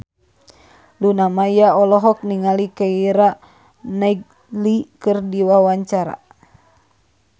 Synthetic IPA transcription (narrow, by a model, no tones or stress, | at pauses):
lunamajaɔlɔɦɔk̚niŋalikaiɾa | naɡ̚ | likɨrdiwawaɲt͡ʃaɾa̰